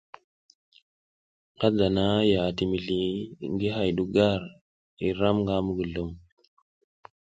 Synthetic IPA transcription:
ɡa˦da˨na˦ja˨ti˨mi˨ɮi˨ŋɡi˦ɦa˨jɗu˦ɡa˦˨ɾ | i˨ɾa˦mŋɡa˦mu˦ɡə˨lo˨˦m

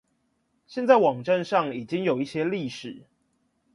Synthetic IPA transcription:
ɕjɛ˥˧nt͡sa˥˩ɪwɑ˨˩ŋʈ͡ʂa˥˧nʂɑ˥˨ŋi˨˩t͡ɕi˦ŋjo˨˩ʊi˥˩ɕjɛ˦li˥˩ʂɻ̩˨˦

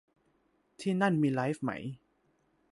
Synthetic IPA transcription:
t̪ʰiː˥˩na˥˩nmiː˧laː˦˥jfma̰˦˥j

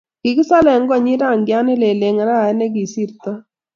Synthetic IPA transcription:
ɡ̥ɪ˨kɪ˦sa˦lɛ˨ŋ˦ɡɔ˦ɲi˦ɾa˦˨ŋɡja˦nɪ˦le˨le˨ŋ˨ɾa˦˨ɛ˦nɛ˦ɡi˨si˦˨ɾt̪ɔ˦

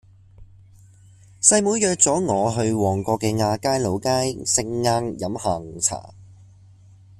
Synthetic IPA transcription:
sɐ˧jmuː˨˥jjœː˨˧k̚t͡sɔː˨˥ŋɔː˨˧ɦɵ˧ɥwɔː˨˩ŋkɔː˧kːɛː˧ŋaː˧kaː˥jlo˨˧wkaː˥jsɪ˧ŋːaː˧ŋjɐ˨˧˥mhaː˨˩ŋt͡sʰa̰ː˨˩

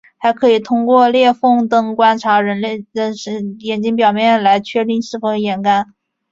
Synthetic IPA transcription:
xa˧˥ɪkʰɤ˧˥i˨˩t̪ʰʊ˥ŋkwɔ˥˧ljɛ˥˧fɤ˥˩ŋt̪ɤ˥ŋkwa˥nʈ͡ʂʰa˧˥ɻə˧˥nle˥˩ɪd̪ə˧˩ʂjɛ˨˩nt͡ɕi˥ŋpjɑ˨˩ʊmjɛ˥˩nla˧˥ɪt͡ɕʰɥɛ˥˧t̪i˥˧ŋʂɻ̩˥˩fo˧˥˧jɛ˧˥nka˥n

